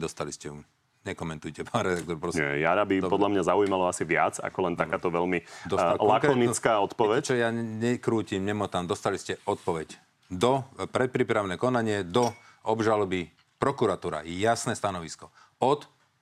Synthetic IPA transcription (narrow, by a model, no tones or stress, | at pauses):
d̪ɔst̪aliscɛu | ɲɛkɔmɛnt̪ujcɛpaːnɾɛd̪ak̚t̪ɔɾpɾɔsnɛ̰ja̰ɾabipɔd̪lamɲazaujiːmalɔasiʋɪa̰t͡sa̰kɔlɛnt̪aaːt̪ɔʋɛlmid̪ɔalakɾɔnit͡skaːɔt̪pɔʋɛt͡ʃɔjaɲɛkɾuːcimɲɛmɔt̪amd̪ɔst̪aliscɛɔt̪̚pɔʋɛɟ | d̪ɔpɾɛt̪̚pɾiːpɾaʊnɛːkɔnaɲɪɛd̪ɔ | ɔbʒalɔbi | pɾɔkuɾat̪uːɾa̰jasnɛːst̪anɔʋiskɔ | ɔt̪